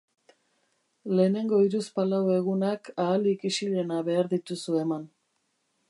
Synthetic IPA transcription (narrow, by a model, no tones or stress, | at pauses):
le̞ne̞ŋɡo̞iɾuspalawe̞ɣunakaːlikisiɾe̞naβe̞aɾðit̪usue̞man